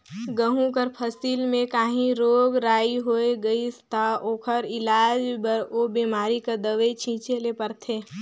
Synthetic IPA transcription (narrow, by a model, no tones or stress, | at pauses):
ɡəɦũkəɾpʰəsiːlmẽkaːɦĩɾoːɡɾaːiɦoːeɡɐist̪ʰaoːkʰəɾɪlaːd͡ʒbəɾoːbiːmaːɾikəd̪əʋet͡ʃʰĩːt͡ʃelepəɾt̪ʰeː